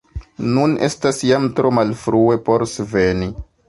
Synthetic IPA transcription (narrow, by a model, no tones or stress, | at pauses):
nune̞̰stasjamtɾo̞malfɾue̞po̞ɾsveni